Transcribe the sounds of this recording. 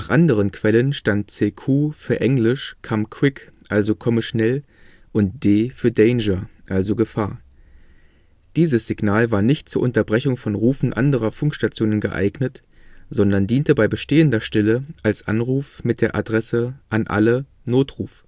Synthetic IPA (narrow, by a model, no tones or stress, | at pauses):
naːχʔandəʁ̞ənkv̥ɛlənʃtantt͡seːkʰuːfyːɐʔɛŋlɪʃkʰamkʰw̥ɪkʔalzokʰɔməʃnɛl | ʔʊnt̚d̥eːfyːɐdɛɪnd͡ʒɐʔalzoɡəfaːɐ | d̥iːzəsz̥ɪɡnaːlvaːɐnɪçtt͡suːɐʔʊntɐbʁɛçʊŋfɔnʁuːfn̩ʔa̰ndəʁɐfʊŋkʃtat͡sjoːnənɡəʔa̰ɪɡnət | z̥ɔndɐndiːntəbaɪbəʃteːəndɐʃtɛləʔalsʔa̰nʁuːfmɪt̚d̥eːɐʔa̰dʁɛsəʔanʔa̰lə | noːtʁuːf